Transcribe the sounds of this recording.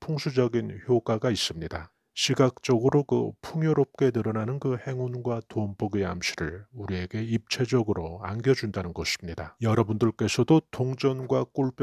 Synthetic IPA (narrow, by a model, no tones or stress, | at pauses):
pʰoŋsʰud͡ʑʌɡinçjokaɡais͈ɯmɲida | ɕʰiɡak̚t͡ɕ͈ʌɡɯɾokɯ̰pʰuŋjoɾop̚k͈e̞nɯɾʌnanɯnkɯhe̞ŋunɡwatoʌnpʌɡeamɕʰiɾɯɭuɾie̞ɡe̞ip̚t͡ɕʰe̞d͡ʑʌɡɯɾoanɡjʌd͡ʑundanɯnɡʌɕʰi̥mɲidajʌɾʌbundɯɭk͈e̞sʰʌdotoŋd͡ʑʌnɡwak͈uɭp͈